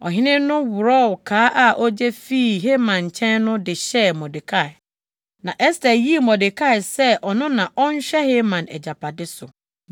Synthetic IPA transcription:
ɔ̰˨ɦɪ̃˦nɪ̃˦nʊ̃˦wʊ˨ɾɔ˦˨wkʰaː˨˦ʔa˨ʔɔ˦d͡ʑɛ˦fi˦˨ɦe˦mã˨ɲ˨t͡ɕʰɛ̃˦nnʊ̃˦dɪ˨ɕɛ˦˨mɔ˨dɪ˨kʰa˦˨ | nã˨ʔɛ˦sta˨ji˦˨mɔ̃˨dɪ˨kʰa˦˨ɪ˨sɛ˦ʔɔ˨nʊ̃˦nã˨ʔɔ˦ɲ˦ɕᶣɛ˦he˦mã˨nɛ̰˨d͡ʑa˨pʰa˨dɪ˦sʊ˨

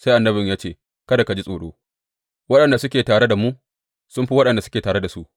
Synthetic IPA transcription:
sa˦ʔa˨nːɐ˦bɪ˨ɲjaː˦t͡ʃeː˦˨ | kɐ˦da˨ka˨d͡ʒi˦sʼoː˨ɗo̰ː˦ | wɐ˦ɗɐ˨nda˨sʊ˦kʲeː˨taː˨ɽe˦da˨mu˦ʔ | sʊ˦mɸi˦wɐ˦ɗɐ˨nda˨sʊ˦kʲeː˨taː˨ɾe˦da˨su˦ʔ

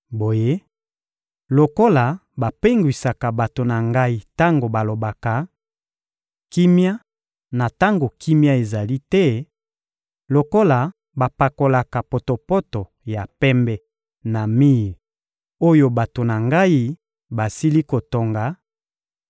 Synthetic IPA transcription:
bo˨je˦ | lo˨ko˦la˨ba˨pe˦ŋɡwi˨sa˨ka˨ba˨to˨na˨ŋɡa˦i˦ta˦ŋɡo˨ba˨lo˨ba˨ka˨ | ki˦mja˦ | na˨ta˦ŋɡo˨kʰi˦mja˦e˨za˨li˦tɛ˦ | lo˨ko˦la˨ | ba˨pa˨ko˨la˨ka˨po˨to˨po˦to˨ | ja˨pɛ˦mbɛ˦ | na˨mi˦˨l | o˦jo˦ba˨to˨na˨ŋɡa˦i˦ | ba˨si˦li˦ko˨to˨ŋɡa˨

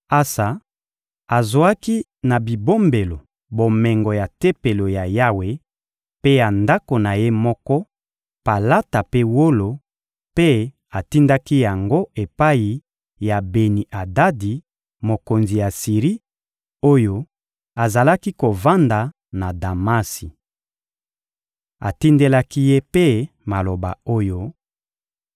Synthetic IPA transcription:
a˦sa˨ | a˨zo˨a˦ki˦ | na˨bi˨bo˦mbe˨lo˨ | bo˨mɛ˨ŋɡɔ˨ja˨te˦pe˨lo˨ja˨ja˦we˦ | pe˦ja˨nda˦ko˨na˨je˦mɔ˦kɔ˦ | pa˨la˦ta˨pe˦wo˦lo˨ | pe˦ | a˨ti˦nda˦ki˦ja˨ŋɡo˦e˨pa˦i˨ | ja˨be˨ni˨ʔa˨da˦di˨ | mo˨ko˨nzi˨ja˨si˨ʁi˦ | o˦jo˦ | a˨za˨la˦ki˦ko˨va˦nda˨ | na˨da˨ma˦si˨ | a̰˨ti˦nde˦la˦ki˦je˦pe˦ | ma˨lo˨ba̰˨o˦jo˦

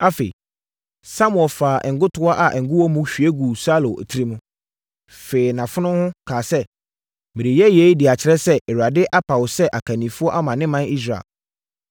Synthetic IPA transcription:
a˦fḛ˨ḭ˨ | sa˦mʊ̃˨ɛ˨lfaː˨ʔɛ˨ŋ̩˨ɡʊ˦tʰʊ˦a˦ʔa˨ʔɛ˨ŋ̩˨ɡʊ˦wɔ˦mũ˦ɕᶣi˨e˦ɡu˨sa˦lo̰˨tʰi˦ɾi˦mũ˦ | fe˨i˨nã˨fʊ˦nʊ̃˦hʊ̃˦kʰaː˨sɛ˦ | mĩ˨ɾi˨jɛ˦je˦i˦dɪ˨a˨t͡ɕʰɪ˨ɾɛ˦sɛ˦ʔɛ˨wa˨dɪ˦ʔa˦pʰa˨wʊ˨sɛ˦ʔa˨kʰa˨nĩ˨fʊ˦ɔ˦ʔa˦mã˨nɪ̃˦mã˦ni˦s̬ɾa̰˨ḛ˨l

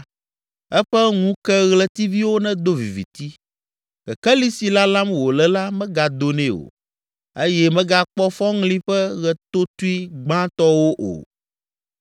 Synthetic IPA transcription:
ɛ˦ɸɛ˦ŋũ˦kɛ˦ɣlɛ˦t̪i˦vi˦wo˦nɛ̃˦d̪o˦vḭ˨vḭ˨t̪i˦ | kɛ̰˨kɛ˦li˦si˨la˦lã˦mwo˨lɛ˨la˦mɛ̃˦ɡa˨d̪o˦nɛ̃˦o̰˨ | e˦jɛ˦mɛ̃˦ɡa˦k͡pɔ˦fɔ˦ŋlĩ˦ɸɛ˦ɣɛ˨t̪o˦t̪u˦i˦ɡ͡bã˦t̪ɔ˦wo˦ʔo̰˨

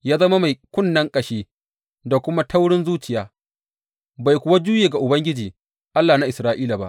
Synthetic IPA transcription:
jaː˦zɐ˦ma˦ma˨jkʷʊ˦˨nːɐ˦ŋkʼɐ˨ʃeː˦ | da˨kʷʊ˦ma˦ta˦wɽɪ˦nzuː˦t͡ʃɪ˨jaː˦ | ba˨jkʷʊ˨wa˦d͡ʒuː˦jeː˨ɡa˨ʔʊ˨bɐ˦ŋɡʲɪ˦d͡ʒiː˨ | ʔa˦lːaː˨na˦ʔɪ˨sɾaː˦ʔiː˦la˨ba̰˦ʔ

